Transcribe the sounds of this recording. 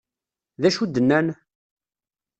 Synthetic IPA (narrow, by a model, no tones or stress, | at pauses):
ðæʃud̪ːənːæn